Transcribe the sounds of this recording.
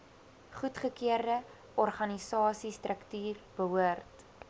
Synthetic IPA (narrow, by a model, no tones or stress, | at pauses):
χutχəkiərdə | ʔɔrχɐnisɑːsistrəktyːrb̥əɦuərt